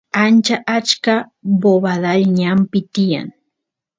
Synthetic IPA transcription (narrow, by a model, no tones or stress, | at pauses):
ant͡ʃaʔat͡ʃkaboβaðaʎɲampɪt̪ɪja̰ŋ